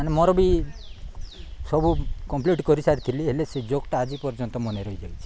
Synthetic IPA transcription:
anemɔɾɔbi | sɔbukɔmpliʈkɔɾisaɾit̪ʰiliɦelesed͡ʒokʈaad͡ʒipɔɾd͡ʒɔnt̪ɔmɔneɾɔjd͡ʒawt͡ʃʰi̥

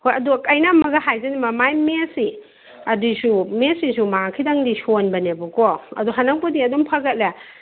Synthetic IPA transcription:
hojɐdukɐjnamɐɡahajzanimɐmajmesi | ɐdisumesisumaakʰidaŋdisonbɐnebukɔɐ̰duɦanawpɔdiɐdɔmpʰɐɡɐt̚la

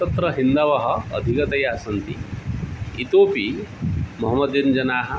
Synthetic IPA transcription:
t̪ɐt̪ɾɐɦind̪ɐʋɐɦɐ̰̆ːd̪ʱikɐt̪ɐjaaːsɐnt̪i | it̪oːpi | mɐɦɐmːɐd̪ind͡ʒɐnaːɦɐ̆

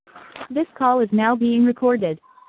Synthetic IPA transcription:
ðɪskʰɔlˠɨznaʊbiɪ̃ŋɹɨkʰɔɹɾɪd̥̚

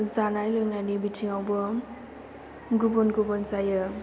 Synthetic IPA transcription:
zanajlɯjnajnibitʰiŋawbʌ | ɡubɔnɡubɔnzajɯ

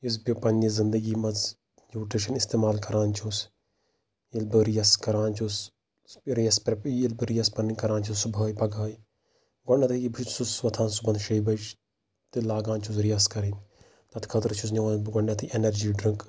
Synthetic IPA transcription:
is̬bipɐnizɪnd̪ɐɡiːmɐz | juːʈɾiʃɐnist̪eːmaːlkɐɾaːnt͡ʃʰus | ilbɨɾijɐskɐɾaːnt͡ʃʰus | ɾijɐspɾɐilbɨɾijɐspɐnikɐɾaːnt͡ʃʰussubʱɐːjpɐɡɐːj | ɡɐnːɐt̪ʰɨibʱisusʋɐt̪ʰãːnsubɐnd̪ʃɐjbɐt͡ʃ | t̪ɨlaːɡaːnt͡ʃʰuzɾijɐskɐɾin | t̪ɐt̪kʰɐt̪ɐɾt͡ʃʰusnʲɐʋɐnbɡɔɳːɐt̪ʰiʔenɐɾd͡ʒiːɖɾiŋk

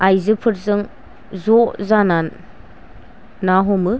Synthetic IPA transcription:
ajzɯpʰɯɾzɯŋ | zɔzanan | aɦɔmɯ

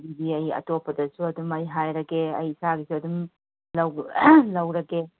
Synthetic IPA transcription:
bibiɐjɐ̰topʰːɐdɐsuɐdumɐjɦajɾɐkeɐjsaɡisuɐdum | lɐwlɐwɾɐke

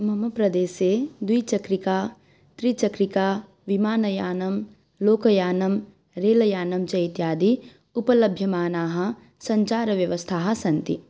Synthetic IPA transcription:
mɐmɐpɾɐd̪eːsed̪wiːt͡ʃɐkɾikaː | t̪ɾit͡ʃɐkɾikaː | ʋimaːnɐjaːnɐm | loːkɐjaːnɐm | ɾeːlɐjaːnɐmt͡ʃɐit̪jaːd̪i | upɐlɐbʱjɐmaːnaːɦɐ | sɐ̃ɲt͡ʃaːɾɐʋjɐʋəst̪ʰaːɦɐ̆sɐ̃nt̪ḭ

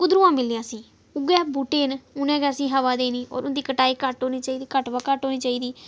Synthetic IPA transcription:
kʊd̪ɾũãːmɪlːiãːsĩː | ʊɡɛːbuʈeːnʊnɛ̃ːɡɛːəsĩːɦəʋaːd̪eːniːʔɔ̰ːɾʊnd̪iːkəʈaːiːkəʈɦoːniːt͡ʃaːiːd̪iːkəʈʋaːkəʈɦoːniːt͡ʃaːiːd̪iː

